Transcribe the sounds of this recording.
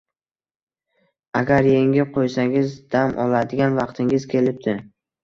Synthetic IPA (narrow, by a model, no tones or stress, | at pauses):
aɡʲaɾje̞ŋʲɪqʰojsaŋʲɪzd̪amʔɒ̰lˠad̪ɪɡʲanvɑqt̪ʰɪŋɪzkʲʰe̞lɪp̚d̪ɪ